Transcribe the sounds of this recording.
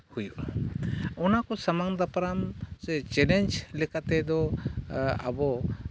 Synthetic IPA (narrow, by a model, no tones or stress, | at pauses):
hujuʔ | ɔnakɔsamaŋd̪apaɾamsɛt͡ʃɛlɛnd͡ʒlɛkat̪ɛd̪ɔ | a̰bɔ